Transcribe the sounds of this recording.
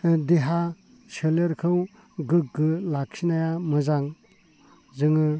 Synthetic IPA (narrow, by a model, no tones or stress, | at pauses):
deɦa | seleɾkʰɯw | ɡɯk̚ɡɯlak̚sʰinajamɯzaŋ | zɯŋɯ